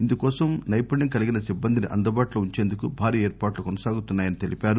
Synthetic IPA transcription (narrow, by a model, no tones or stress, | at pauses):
ind̪ukɔːsɐmnɐjpɐɳːɐŋkɐliɡinɐsibːɐnd̪ʱiniʔɐ̰nd̪ɐbaːʈloːuɲt͡ʃe̞ːnd̪ukubʱaːɾiːeːɾpaːʈlukɔnɐsaːɡut̪unːaːjɐnit̪e̞lʔipʲaːɾu